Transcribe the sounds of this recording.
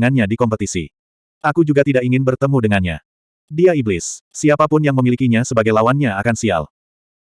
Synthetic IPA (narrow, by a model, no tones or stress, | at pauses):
ŋanɲadikɔmpət̪isḭ | ʔakud͡ʒuɡat̪idakiŋɪnbərt̪əmudəŋanɲa̰ | diaiblɪsːiapapʊnjaŋməmilikiɲasəbaɡajlawanɲaakansia̰l